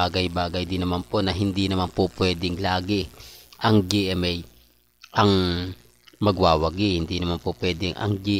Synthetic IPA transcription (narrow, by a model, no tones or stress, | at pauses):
aːɡɐjbaːɡɐjd̪ɪnɐmanpo̞nɐɦɪnd̪inɐmanpopwɛːd̪ɪŋlaːɡɪʔɐŋd͡ʒiʔɛmɛj | ʔɐŋ | mɐɡwaːwɐɡɪhɪnd̪inɐmanpopwɛːd̪ɛŋʔɐ̰ŋd͡ʒi